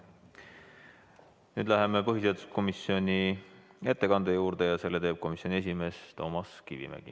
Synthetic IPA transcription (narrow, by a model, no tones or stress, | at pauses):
nyːd̪læɦemepɤɦis̬et̪u̥sko̞misjo̞nie̞t̪ːe̞kɑnd̪̥ejuːɾd̪̥e̞jɑse̞lːet̪e̞ːb̥̚ko̞misjonie̞s̬ʲime̞ːst̪o̞̰ːmɑskivḭmæ̰ɡ̥ḭ